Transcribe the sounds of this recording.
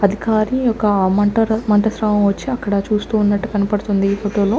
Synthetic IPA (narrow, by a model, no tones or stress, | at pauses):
ɐd̪ʱikaːɾijɔkːɐmɐɳʈɐɾɐmɐɳʈɐsɾaːmɐmʋɐt͡ʃːiɐkːɐɽɐt͡ʃuːst̪uːunːɐʈːukɐnɐpɐɽut̪und̪iːfot̪ɐːlu